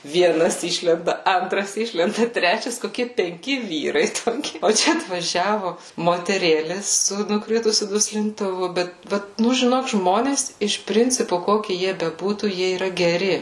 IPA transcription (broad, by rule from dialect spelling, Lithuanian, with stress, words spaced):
ʋʲiɛˈnɐs ˈɪʃʲlʲɛndɐ ˈɐntrɐs ˈɪʃʲlʲɛndɐ ˈtʲrʲæːt͡ʃʲɛs koːˈkʲiɛ pʲɛŋʲˈkʲɪ ˈʋʲiːrɐɪ toːˈkʲɪ oː ˈt͡ʃʲɛ ɐtʋɐˈʒʲæːʋʊ moːtʲɛˈrʲeːlʲeːs sʊ nʊˈkrʲɪtʊsʲʊ dʊsʲlʲɪntʊˈʋʊ ˈbʲɛt ˈbʲɛt ˈnʊ ʒʲɪˈnoːk ˈʒmoːnʲeːs ˈɪʃ ˈpʲrʲɪnʲt͡sʲɪpʊ ˈkoːkʲɪ ˈjiɛ bʲɛˈbuːtuː ˈjiɛ iːˈrɐ ɡʲɛˈrʲɪ